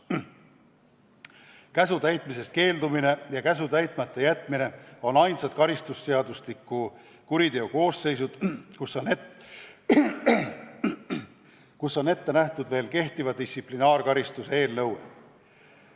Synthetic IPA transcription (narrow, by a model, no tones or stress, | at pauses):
kæsut̪æjt̪mise̞st̪̚ke̞ːld̪umine̞jɑkæs̬ut̪æjt̪mɑt̪ːe̞jæt̪ˑmine̞o̞nɑjnsɑt̪̚kɑɾist̪usːe̞ɑd̪uslikːˑu | kuɾid̪e̞oko̞ːsːe̞js̬ud̪̥kusone | kusːo̞ne̞t̪ːe̞næht̪ud̪ve̞ːlke̞ht̪ivɑd̪isʲsiplinɑːrkɑɾist̪usee̞ːlnɤwḛ